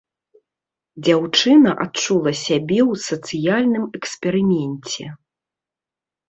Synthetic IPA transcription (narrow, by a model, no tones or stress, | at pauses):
d͡zʲawt͡ʂɨnɐʔat̚t͡ʂulˠɐsʲabʲɛwsɐt̪sɨjalʲnɨmɛkspɛɾɨmʲɛnʲt͡sʲɛ̰